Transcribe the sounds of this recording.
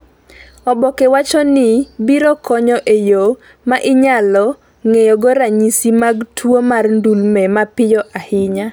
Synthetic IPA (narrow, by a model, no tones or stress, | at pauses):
ɔbɔkɛwat͡ʃɔnɪbiɾɔkɔɲɔʔejo | maʔɪɲalɔ | ŋejɔɡoɾaɲisimaɡtʰwomarndulmɛmapɪjɔʔahɪɲa